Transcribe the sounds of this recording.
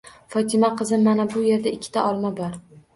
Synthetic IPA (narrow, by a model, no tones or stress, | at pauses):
fɒt̪ʰɪmaqʰɨzɪmːanabʊje̞ɾd̪aɪkʲʰːɪ̥t̪ʰaɒlˠmabɒɾ